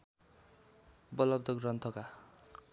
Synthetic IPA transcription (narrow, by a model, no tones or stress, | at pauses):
bʌlʌb̚d̪ʌɡrʌnt̪ʰʌka